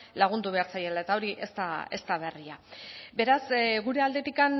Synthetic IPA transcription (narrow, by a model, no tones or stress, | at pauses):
laɣ̞und̪uβ̞e̞aɾt͡saje̞lae̞t̪ao̞ɾiʔe̞st̪ae̞̰st̪aβ̞e̞riabe̞ɾasɣuɾe̞ald̪e̞t̪ikan